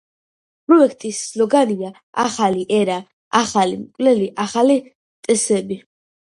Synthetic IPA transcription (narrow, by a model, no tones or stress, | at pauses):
pʼɾɔɛkʰt̪ʼisːlɔɡania | aχaliʔɛɾa | aχalimkʼvlɛliʔaχali | t̪ʼɛsɛbi